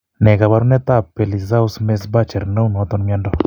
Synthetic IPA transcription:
nɛ˨ka˨βa˨ɾu˦nɛ˦t̪a˦˨pe˨li˨za˦u˦sme˦s̬ba˦t͡ʃɛ˨ɾna˦u˦nɔ˨˦t̪ɔ˦nmia˦ndɔ

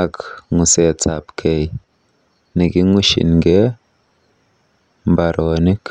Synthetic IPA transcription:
a˨kŋu˨se˨t͡sa˨pkʰe˨j | ni˨ɡi˦ŋu˦ʃḭ˨nɡe˦ | mba˨ɾo˨ni˦k

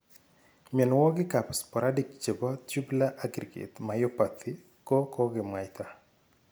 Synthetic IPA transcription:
miɛ˨nɔwɔ˦ɡɪ˦kapspɔ˨ɾʔa˦dik̚t͡ʃe˨bɔ˦tu˦bla˦ʔaɡɾi˨ɡḛ˨t̪majɔpat̪ʰi | ko˦kɔɡɪma˨jt̪a

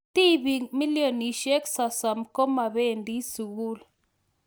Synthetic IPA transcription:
ti˦bi˨mi˦lijo˨ni˨ʃe˦ksa˨sa˨mko˦ma˨be˦˨ndi˦su˨ɣu˦l

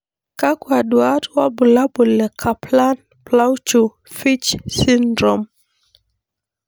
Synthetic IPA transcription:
ka˦kwa˨du˨a˦twa˦bu˨la˦bu˨lɛ˨kʰa˨pla˦n | pla˦wt͡ʃu˨ | fi˦t͡ʃsi˦ndɾɔ˨m

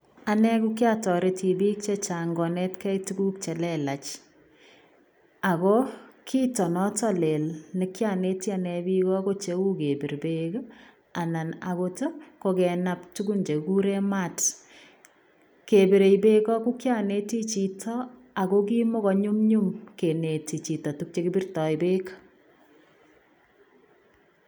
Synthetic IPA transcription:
a˨nɛ˦ku˦kja˦˨tɔ˨ɾeti˨biː˦k̚t͡ʃe˦t͡ʃa˨ŋɡɔ˨nɛ˦tkɛ˦itu˦ɡu˦k̚t͡ʃɛ˨lɛ˦˨la˨t͡ʃ | a˨kɔ˦kʰiː˦tɔ˨nɔ˦tɔ˦le˨lne˦kja˦˨ne˦ti˦a˨nɛ˨bi˦kɔ˦ko˦t͡ʃe˦u˦ke˨bi˨ɾbeɡo˦ | a˨na˨na̰˨ko˦to˦ko˨kɛna˨ptu˦ɡu˦nd͡ʒe˨ku˦ɾɛ˦ma˦˨t | ke˨be˨ɾe˨ibe˦kɔ˦ku˦kja˨ne˦ti˦t͡ʃi˨tɔ˦ | a˨ko˦ki˦mo˦kɔ˦ɲu˦mɲu˦mke˨ne˨ti˨t͡ʃi˨tɔ˨tu˦k̚t͡ʃe˦ki˦bi˦rtɔ˨ibe˦kḁ

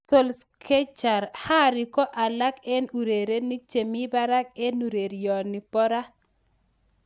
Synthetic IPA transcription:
so˦lskʰe˦t͡ʃa˨ɾha˦ɾi˨kɔ˦ʔa˨la˦kɛ˦nu˨ɾe˨ɾe˦ni˦t͡ʃe˨mi˦ba˦ɾa˦ke˦nu˨ɾe˨ɾijɔ˨ni˨pɔ˦ɾa˦

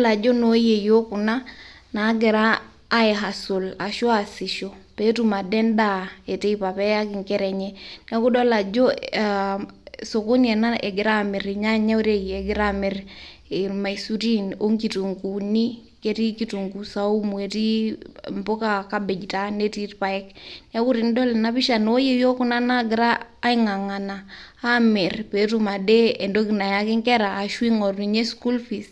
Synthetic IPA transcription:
la˨d͡ʒo˦no˦je˨jo˦ku˨na˦na˨˦ɡɛ˨ɾaː˦ | ɛ˨ɦa˨so˨la˨ʃo˦a˨sɪ˨ʃo˨pe˦tu˦ma˨dɛ˦nda˦˨e˨te˦i˦pa˨pɛ˦ja˦kɪ˨ŋkɛ˦ɾɛ˨ɲɛ˦nɛ˦kʊ˦dɔ˦la˨d͡ʒo˦ | so˨ko˦nɛ˨na˦ʔe˨ɡɪ˨ɾa˦mɪ˨ɾɲa˦ɲa˦u˦ɾe˦iɛ˨ɡɪ˦ɾa˦mɛ˨ɾ | ema˨isu˦ɾi˦no˦ŋki˨tu˨ŋku˨ni˦ | kɛ˦ti˦ki˨tu˨ŋku˨sa˨u˦mwe˨ti˦mbo˦ka˨ka˦bɛ˨d͡ʒta˦ne˦ti˦tpa˨ɛ˦knɛ˦ku˦ɾi˨ndo˦lɛ˨na˦pi˦ʃa˨no˦je˦jo˦ku˦na˦na˦ɡɪ˨ɾaː˦i˦ŋa˨ŋa˨naː˨˦mɛ˨ɾpe˨tu˦ma˨dɛ˦ɛ˨ndo˦ki˨na˨ja˦kɪ˦ŋkɛ˦ɾaː˨ʃwi˦ŋɔ˨rnu˨ɲe˦sku˦lfi˨s

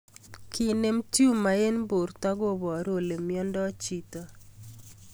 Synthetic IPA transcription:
ki˨ne˦mti˦u˦ma˨e˦nbo˨ɾta˦ɡo˦bɔ˨a˨ɾo˦˨le˨mjɔ˦ndɔ˦t͡ʃi˨ta˦

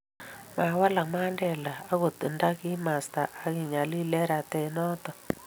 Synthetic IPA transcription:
ma˨wa˦la˨kma˦ndɛ˨laː˨˦ɣo˨tɨ˨nda˦ki˦ma˨sta˨ʔa˨ki˨ɲa˨li˦lɛ˦ɾa˨tɛ˨nɔ˦tɔ˨

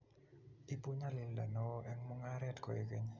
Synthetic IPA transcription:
i˦pu˦ɲa˦lɪ˦lda̰˨nɔ˦ʔɛ˦ŋmu˦ŋaɾɛ˦tkɔ̰˨e˨ke˦ɲ

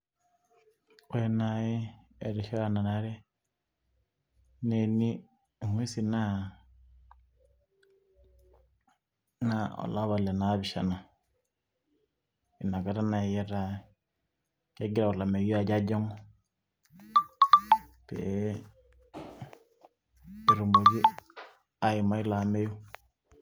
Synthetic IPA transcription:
o˦e˦na˨je˦ | e˨ɾi˨ʃa˦ɾa˦na˨na˦ɾe˦ | ne˨ni˦˨ | ŋwe˦si˨na˦ | na˨o̰˨la˦βa˨le˨na˨˦βi˨ʃa̰˨na˨ | i˨na˨ka˨ɾa˦na˨jɛ˦ɾa˦ | ke˦ɡi˦ɾa˨ɔ˨la˨me˨ji˦a˨ɟa˦ɟɔ˦ŋɔ˦ | pḛ˨ | ɾu˨mbo˨βi˦ | a˨i˨ma˦i˦la˨mɛ˦jo˦

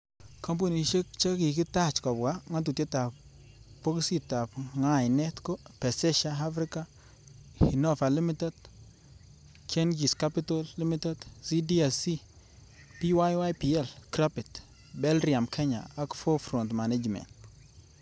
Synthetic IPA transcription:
kɔ˦mp̬o˦˨ni˨ʃe˦k̚t͡ʃe˦ki˨kɪ˦ta˦˨t͡ʃkɔ˨bɡa˦ŋa˦t̬u˨tje˦ta˨p | po˦ksi˦ta˨pŋa˨jnɛ˦tko˦pɛ˨sɛ˦ʃa˦ɦa˦fɾi˦ka˦ | hi˨nɔ˦fa˨li˦mi˦te˦d | t͡ʃɛ˦nd͡ʒi˨ska˦pi˦to˦lːi˦mi˦tɛ˦dsi˦di˦ɛ˨si˦ | pi˦wa˦jwa˦jpi˨ɛ˦˨lkɾa˦pɪ˨t | bɛ˦lɾia˨mkʰɛ˦ɲa̰˨a˨˦kfo˦fɾɔ˨ntma˨ne˦d͡ʒmɛ̰˨nt

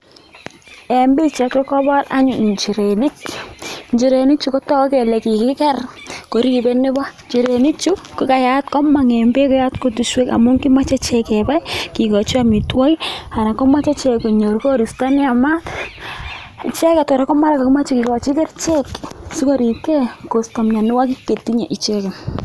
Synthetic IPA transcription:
ɛ˨mbi˦t͡ʃɛ˨klɔ˦kɔ˦ba˦ɾa̰˦ɲu˨ɲt͡ʃi˨ɾenɪ˦k | ɲt͡ʃi˨ɾe˨ni˦k̚t͡ʃu˦kɔ˦tɔ˦kɛ˨le˨ki˨kɪ˦kɛ˦rko˨ɾi˦ki˨be˦ne˦ba˦ɲt͡ʃi˨ɾe˨ni˦kt͡ʃu˦ki˦ka˨ja˨t̚kɔ˦ma˨ŋɛ˨mbe˦kɔ˦ja˦tko˨tu˨ʃwe˦ka̰˨mʊ˦ŋki˦ma˦t͡ʃe˦t͡ʃɛkɛ˨ba˦iki˨kɔ˨t͡ʃi˦a˦mi˨twɔ˦ja˨na˨kɔ˦ma˦t͡ʃɛ˦t͡ʃɛko˨ɲo˨ɾko˦ɾi˨sta˦nɪ˦a˨ma˦t | i˨t͡ʃɛ˦kɛ˨tɔ˨ɾa˦kɔ˦ma˦ɾa˦ka˨ki˦ma˦t͡ʃi˦ki˨kɔ˨t͡ʃi˦kɛ˦rt͡ʃeksi˦ko˦ɾi˨kɛ˦ko˨stɔ˨mɲa˨nɪ˦wa˦ki˦kːe˨tːiɲa˨ʔi˨t͡ʃɛ˦kɛ˨

